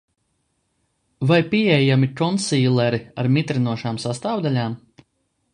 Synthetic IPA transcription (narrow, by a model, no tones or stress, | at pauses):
vajpʲiɛjjamikɔnsiːlˠɛɾiaɾmʲit̪ɾinuɔʃaːmsast̪aːwd̪alʲaːm